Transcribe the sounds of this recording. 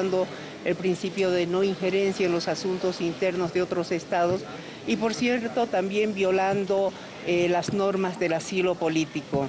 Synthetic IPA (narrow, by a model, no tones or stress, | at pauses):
nd̪o̞ | elpɾinsipjo̞ðe̞no̞iŋxe̞ɾe̞nsjaenlo̞sasunt̪o̞sint̪e̞ɾno̞zðeo̞t̪ɾo̞se̞st̪aðo̞s | ipo̞ɾsjeɾt̪o̞t̪ambje̞mbjo̞land̪o | elazno̞ɾmazðe̞lasilo̞po̞lit̪iko